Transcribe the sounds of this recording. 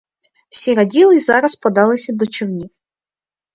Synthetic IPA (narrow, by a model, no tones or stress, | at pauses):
w̥sʲiɾɐdʲilˠɪzɑɾɐspɔd̪ɑlˠɪsʲɐd̪ɔt͡ʃɔwnʲiw